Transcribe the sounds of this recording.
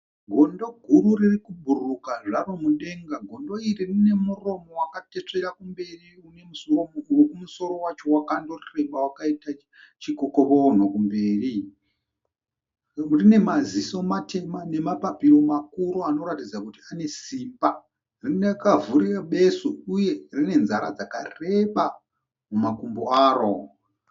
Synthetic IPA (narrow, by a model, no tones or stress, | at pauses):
ɡʱo̞ndo̞ɡʱururirikubʱurukaʐaromuɗe̞ŋɡaɡʱo̞ndo̞iririne̞muro̞mo̞wakate̞t͡ʂe̞ɾakumbe̞riune̞musoowokumuso̞ɾo̞wat͡ʃo̞wakandorirembawakaita | t͡ʃikoko̞βoːn̤okumbe̞ːri | rine̞maziso̞matʰe̞mane̞mapapiro̞makuɾoano̞ɾatid͡zakutiane̞simba | rinekavuriraɓe̞suuje̞rine̞nzaɾa̰d͡zaka̰re̞ɓa | mumakumboaːɾo